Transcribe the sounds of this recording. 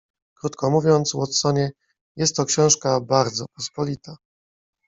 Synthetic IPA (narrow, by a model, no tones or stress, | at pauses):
kɾut̪kɔmuvʲjɔnt̪swɔt̪sɔɲɛ | jɛst̪ːɔkɕɛ̃w̃ʂkabaɾd̪zɔpɔspɔlʲit̪a